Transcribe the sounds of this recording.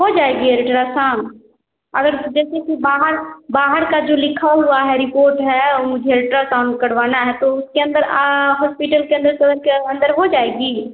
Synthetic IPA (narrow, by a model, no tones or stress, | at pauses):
ɦod͡ʒaːeɡiɦɛɾɪʈɾasaːn | ɐɡəɾd͡ʒɛːsekibaːɦəɾbaːɦəɾkad͡ʒoːlɪkʰaɦʊaɦɛɾɪpoːɾʈɦɛmʊ̃d͡ʒʱeɾɪʈɾasaːnkɐɽ̤ʋaːnaɦɛt̪oʊskeɐ̃nd̪əɾɦɔːspiʈəlkeə̃nd̪əɾsɐd̪əɾkeɐ̃nd̪əɾɦod͡ʒaːeːɡiː